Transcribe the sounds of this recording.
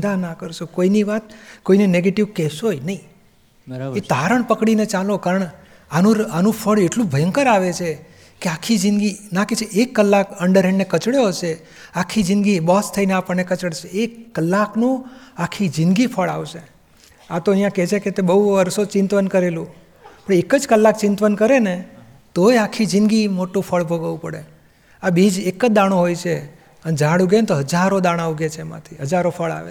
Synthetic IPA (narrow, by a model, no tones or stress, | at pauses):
d̪anakəɾʃukoiniʋat̪̚koineneɡeʈiʋkɛʃojnəĩ | ɾet̪aɾəɳpəkɽinet͡ʃalõkaɾəɳ | anũanũpʰəɭeʈlũbʱəjəŋkəɾaʋet͡ʃʰe | keakʰːid͡ʒɪnɡinãket͡ʃʰeʔekːəlːakəɳɖəɾɦɛ̃ɳɖnekət͡ʃɽjot͡ʃʰe | akʰid͡ʒɪ̃nɡibɔst̪ʰəineapəɳnekət͡ʃəɽʃʰeekːəlːaknũakʰːid͡ʒɪnɡipʰəɭaʋʃe | at̪oəijãket͡ʃʰeket̪ebəuʋəɾsot͡ʃɪ̃nt̪ʋənkəɾelũ | pəɳekəd͡ʒkəlːak̚t͡ʃɪnt̪ʋənkəɾene | t̪oeakʰːid͡ʒɪ̃nɡimoʈũpʰəɭbʱəɡʋũpəɽḛ | abid͡ʒekːəd̪aɽ̃oɦojt͡ʃʰe | ənd͡ʒaɽuɡent̪oɦəd͡ʒaɾod̪aɽ̃auɡet͡ʃʰemã̰t̪ʰiɦəd͡ʒaɾopʰəɭa̰ʋḛ